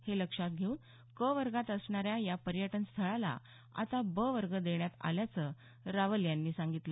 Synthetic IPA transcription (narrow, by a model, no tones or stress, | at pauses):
heləkʂat̪̚ɡʱeuːn | kəʋəɾɡat̪əsɳaɾjajapəɾjəʈənst̪ʰəɭala̰ | a̰t̪abəʋəɾɡəd̪eɳjat̪a̰ljat͡sə | ɾaʋəljanːiːsãŋɡit̪lə